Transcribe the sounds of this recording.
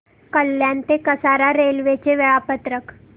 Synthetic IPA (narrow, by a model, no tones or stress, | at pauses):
kəlːjant̪ekəsaɾaɾelʋet͡ɕeʋeɭapət̪ɾək